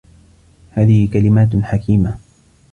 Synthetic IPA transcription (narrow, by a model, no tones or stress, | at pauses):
haːðɪhɪkalɪmaːt̪ħakiːma